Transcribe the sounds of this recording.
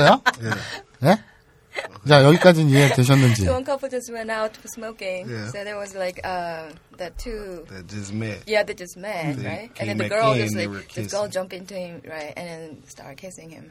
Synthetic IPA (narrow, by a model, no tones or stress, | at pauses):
jɔj | hɛ | d͡ʒajɔikad͡ʒĩnjiɛt̪ʰɛʃ̬ɔ̃nnɛ̃nt͡ʃḭʌ̃nkʰʌpl̩ˠd͡ʒʌswɛ̃naʊtfəsmoʊkɪ̃ŋjsoʊðə˞wʌzlaɪkʌ | ðɨtʰuðed͡ʒʌsmɛtjæðɨd͡ʒʌsmɛtɹaɪt̚ɨ̃nðɛ̃nðɨɡɜ˞ʌslaɪʌsɡɜ˞lˠd͡ʒʌ̃mpɪ̃ntuhɪ̃mɹaɪtɨ̰̃nðɛ̃nstɑ̰ɹt̚kʰeɪsɪ̃ŋɪ̰̃m